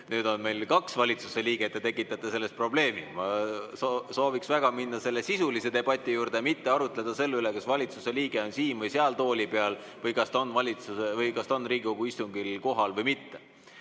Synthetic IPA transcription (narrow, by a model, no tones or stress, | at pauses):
nyːd̪̥o̞nme̞jlkɑksvɑlʲit̪su̥se̞liːɡ̥et̪ːˑet̪e̞kːˑit̪ːˑɑt̪ːˑese̞lːe̞st̪̚pro̞ble̞ːmimɑsoso̞ːviksvæɡ̥ɑminːɑse̞lːesisulise̞d̪e̞b̥ɑt̪ʲːˑijuːɾd̪e̞mit̪ːe̞ɑɾut̪ˑle̞d̪̥ɑse̞lːeylekɑsvɑlʲit̪suse̞liːɡ̥e̞o̞nsiːnvɤjseɑlt̪o̞ːlʲipe̞ɑl | vɤjkɑst̪o̞nːvɑlʲit̪susevɤjkɑst̪o̞nːriːɡiko̞ɡ̥uist̪uŋɡilko̞ɦɑlvɤjmit̪ːe̞